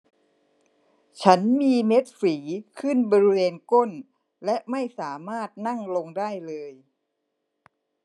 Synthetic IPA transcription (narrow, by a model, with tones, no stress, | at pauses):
t͡ɕʰa˦˥nmiː˧me˦˥t̪̚fiː˩˦kʰɯ˥˩nbɔː˧ɾi˦˥weː˧nko˥˩n | lɛ˦˥ʔma˥˩jsaː˩˦maː˥˩t̪̚na˥˩ŋlo˧ŋdaː˥˩jlɤː˧j